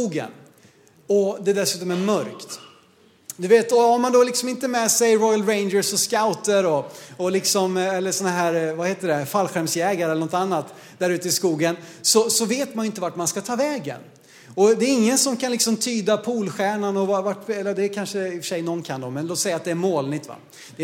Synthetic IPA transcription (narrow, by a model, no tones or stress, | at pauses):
uːɡə̰n | ɔd̪ɛd̪ɛsʉ̟ːt̪ɔmæɾmœɾkt̪ | d̪ɵveːt̪ɔhaɾmand̪olɪksɔmɪnt̪əmɛsɛjɾɔjalɾeɪnd͡ʒəɾsɔskaʊt̪əɾɔɔlɪksɔmɛlːəʂɔnːaɦæːɾvaheːt̪əɖɛfalːɧɛmsjɛːɡaɾəɛlːəɳnɔt̪anːat̪ | d̪æɾʉːt̪əɪskuːɡənsɔsɔveːt̪manjɵɪnt̪əvaʈmanskat̪ʰɑːvɛːɡə̰n | ɔd̪ɛːɾɪŋːənsɔmkʰanlɪksɔmt̪ʰyːd̪apʰuːlɧæːɳanɔvavaʈːɛlːəd̪ɛkʰanʂəɪfə̥ʂɛjnɔnkʰand̪ɔmɛnloːt̪sɛjːat̪̚d̪ɛæɾmoːlnɪt̪ːva̰ | d̪̥ɛ